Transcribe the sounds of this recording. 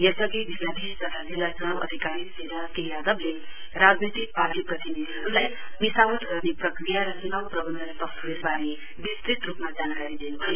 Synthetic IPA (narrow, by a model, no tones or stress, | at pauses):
jʌsʌɡibʱilːad̪ʱest̪ʌt̪ʰad͡zilːad͡zʌñabʔʌ̰d̪ʱikaɾiseɾakejad̪əble | ɾad͡znejt̪ik̚paʈiprʌt̪inid̪ʱiɦʌɾulaj | bisabət̪ɡʌrneprʌkɾijaɾʌsunawprʌbʌnd̪ʱəspʌkt̪ʰɾeɾbaɾe | bist̪ɾit̪ɾupmad͡zankaɾid̪enubʱʌo